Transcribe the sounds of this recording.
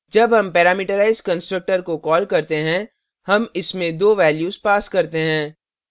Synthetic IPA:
d͡ʒɐbɦɐmpɛːɾaːmiːʈəɾaːɪzɖkɐ̃nsʈɾək̚ʈəɾkokɔːlkɐɾt̪eɦɛ̃ | hɐmɪsmẽd̪oːʋɛːljuːzpaːskɐɾt̪eɦɛ̃ː

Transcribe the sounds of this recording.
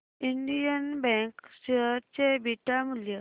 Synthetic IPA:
iɳɖijənbɛ̃ŋkɕeɦəɾt͡ɕebiʈamuljə

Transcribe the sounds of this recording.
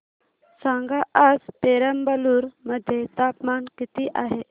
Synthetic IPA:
sãŋɡaʔaspeɾəmbəluɾməd̪ʱjet̪apmankit̪iːʔaɦe

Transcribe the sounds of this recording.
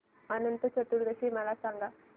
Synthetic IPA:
ɐnɐnt̪ut͡ʃɐt̪ːuɾd̪ɐsimɐlaːsaːŋɡa

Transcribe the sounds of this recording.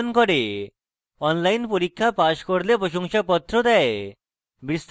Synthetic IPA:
nkɔɽe | ɔnlajnpɔɾikʰːapaskɔɾlepɔɕɔŋɕapɔt̪ːɾɔd̪ae | bist̪

